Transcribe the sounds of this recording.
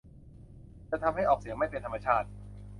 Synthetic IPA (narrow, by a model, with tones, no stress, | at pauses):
t͡ɕa˨˩t̪ʰa˧mha˥˩jʔɔː˨˩k̚si˨˩˦əma˥˩jpe˧nt̪ʰmːa˧˩t͡ɕʰaː˥˩t̪̚